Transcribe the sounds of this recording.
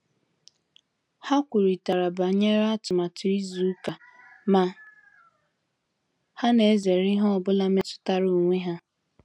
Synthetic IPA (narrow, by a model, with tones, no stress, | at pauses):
ha˦kʷu˨ɾi˨ta˨ɾa˨ba˨ɲe˦ɾa˦tʊ˨ma˨tʰʊ˨i˦zu˨˦ka˨ | ma˨ | ha˦ne˨˦ze˨ɾɪ˦ɦɔ˦ɔ˨bʊ˦la˦me˦tʊ̥˦ta˦ɾu˨ŋʷe˦ɦa˦